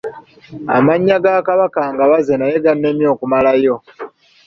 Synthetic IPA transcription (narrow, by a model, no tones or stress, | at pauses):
a̰maɲːaɡakaβakaːŋɡaβazenajeɡanːe̞mjo̞ːkumalajo̞